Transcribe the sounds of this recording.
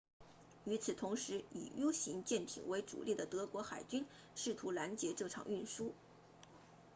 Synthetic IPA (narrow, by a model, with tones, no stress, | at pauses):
y˧˥t͡sʰɹ̩˨˩t̪ʰʊ˧˥ŋʂɻ̩˧˥ḭ˨˩jo˥ʊɕi˧˥ŋt͡ɕjɛ˥˩nt̪ʰḭ˨˩ŋwe˧˥ɪʈ͡ʂṵ˨˩lʔi˥˩d̪ə˩t̪ɤ˧˥kwɔ˧˥xa˨˩ɪt͡ɕy˥n | ʂɻ̩˥˩t̪ʰu˧˥la˧˥nt͡ɕjɛ˧˥ʈ͡ʂɤ˥˩ʈ͡ʂʰɑ̰˨˩ŋy˥˩nʂu˥